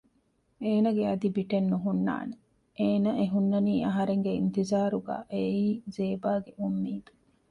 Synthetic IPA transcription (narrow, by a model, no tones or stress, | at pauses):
eːnɐɡeɐd̪ibiʈenːuɦunːa̰ːne | eːnɐʔeɦunːɐniːʔɐɦɐɾeŋɡeint̪izaːɾuɡa̰ːʔeiːzeːbaːɡeʔumːiːd̪u